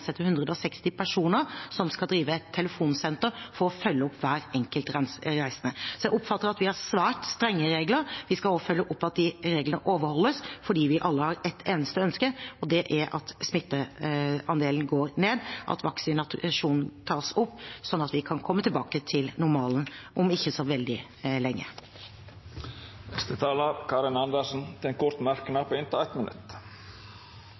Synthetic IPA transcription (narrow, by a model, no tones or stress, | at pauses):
sɛt̪ːəɾhʉnd̪ɾəd̪əɔsɛkst̪ɪpʰæʂuːnəɾsɔmskɑd̪ɾiːʋəɛt̪ʰːɛləfuːnsɛnt̪əɾfɔɾɔfœlːəɔpʰːʋæːɾɛŋkəlt̪ɾæɪsənəsɔjæɪɔpfɑt̪ːəɾɑt̪ʋɪhɑɾsʋæːʈst̪ɾɛŋːəɾeːɡləɾʋɪskɑlofœlːəʔɔpːɑt̪̚d̪ɪɾeːɡlənəʔoːʋəɾhɔlːəsfɔɖiːʋɪʔɑlːəhɑɾɛt̪ʰeːnəst̪əœnskəɔd̪ɛʔæɾɑ̰t̪smɪt̪ːəɑnd̪eːln̩ɡoːɾneːd̪ʔɑ̰t̪ʰʋɑksʏnɑt̪ʂuːnn̩t̪ʰɑːsʊpːsɔnːɑt̪ʋɪkʰɑnkʰɔmːət̪ʰɪlbɑːkət̪ʰɪlnʊɾmɑːln̩ʔɔmɪçːəsɔʋɛld̪ɪ | lɛŋːə̰ | nɛst̪ət̪ʰɑːləɾkʰɑːɾɪnɑnd̪əʂn̩t̪ʰɪɛnkʰʊɾt̪mæɾkənɑpʰoɪnt̪əæɪt̪mənʉ̰t̪